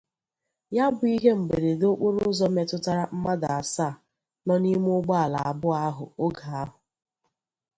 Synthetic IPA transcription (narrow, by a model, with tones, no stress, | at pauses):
ja˦bʊ˨˦i˦ɦe˦m̩˨ɡ͡be˨ɾe˨do˦k͡pʊ˦ɾʊ˦zɔ˦me˨tʊ˦ta˦ɾa˦m̩˦ma˦da˨a˨sa˦˨ | nɔ˦ni˦m˦ʊ˦ɡ͡ba˦a˨la˨a˨bʊ˦a˦ɦʊ̰˨o˦ɡa˨a˦ɦʊ˨